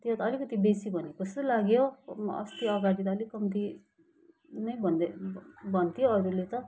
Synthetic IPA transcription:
t̪ɦot̪ʌlikʌt̪ibesibʱʌniokʌst̪olaɡjoʌ̰st̪iʌɡaɽit̪ʌːlikʌmt̪i | nʌjbʱʌnd̪ebʱʌnt̪ʰjoʌɾulet̪ʌ

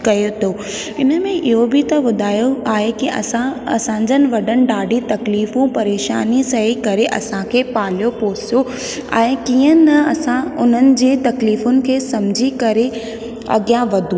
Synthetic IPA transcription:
kɐjot̪ʰo | ɪnə̆mẽʔɪɦobʱɪt̪ɐbʊd̪ʱaːjoaːɦekiɐ̰sãɐ̰sãːɲ̆d͡ʑənɪ̆ʋɐɗənɪ̆ɖaːɖʱit̪ɐkliːfũpɐɾeːʃa̰ːnisɐɦikɐɾeʔɐ̰sãkʰeːpaːl̤jopoːsjo | ḛ̃ːkiːə̃nɐɐsãʊn̤ənɪ̆d͡ʑeːt̪ɐkliːfʊnɪ̆kʰeːsɐ̃md͡ʑʱikɐɾe | ɐ̰ɠjaʋɐd̪ʱũ

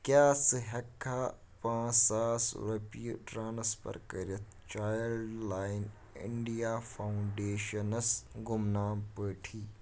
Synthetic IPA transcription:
kjaːsɨɦɐkʰːaː | pãːsaːsɾɐpiʈɾaːnɐspɐ̰ɾkɐɾɐt̪̚ʰ | t͡ʃaːjɐlaːɪn | ɪ̰ɳɖijaːfaːuɳɖeːʃɐnɐsɡʊmnaːmpəːʈʰiː

